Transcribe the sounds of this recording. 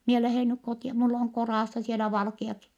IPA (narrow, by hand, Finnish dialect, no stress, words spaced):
mie læheˑn nyk kotiɑ mulː oŋ korɑˑsːɑ sielæ ʋɑlkiɑki